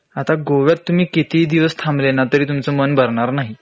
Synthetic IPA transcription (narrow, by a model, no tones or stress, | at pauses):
at̪aɡoʋjat̪ːum̤iːkit̪iːd̪iʋəst̪ʰãmblenat̪əɾiːt̪̬umt͡somənbʱəɾɳaɾnaɦi